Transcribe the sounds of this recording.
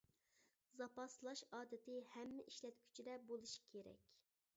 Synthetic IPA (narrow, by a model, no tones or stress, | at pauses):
zɑpɑslˠɑʃɑːd̪ɪt̪ɪhɛmːɪʔiʃlɛt̪kʲʰy̥t͡ʃʰid̪ɛbolˠuʃi̥kʲʰeɾɛ̰kʲ